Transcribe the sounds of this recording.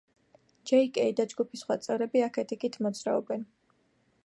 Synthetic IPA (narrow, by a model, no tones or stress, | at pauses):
d͡ʒɛikʼɛid̪ad͡ʒɡupʰisχwat̪sʼɛɾɛbiakʰɛt̪ʰikit̪ʰmɔd̪zɾaɔbɛn